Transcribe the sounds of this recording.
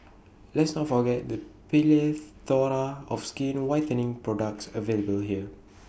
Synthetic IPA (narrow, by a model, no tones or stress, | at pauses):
lɛtsnɔtfɔɡɛt̚dəpilet̪ɔɹaɔfskĩnwajtənɪ̃ŋpɹɔdak̚tsəveləbəlɦiə